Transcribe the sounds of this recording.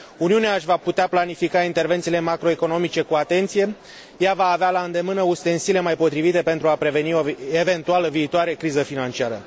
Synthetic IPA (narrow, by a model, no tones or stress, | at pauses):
uniuneaːʃʲvaput̪eaplanifikaint̪e̞rve̞nt̪sile̞makɾo̞e̞ko̞no̞mit͡ʃe̞kuat̪e̞nt̪sije̞ | javaːvealaɨnd̪e̞mɨnəust̪e̞nsile̞majpo̞t̪ɾivit̪e̞pent̪ɾuapɾe̞ve̞nioeve̞nt̪ualəviːt̪oaɾe̞kɾizəfinant͡ʃiaɾə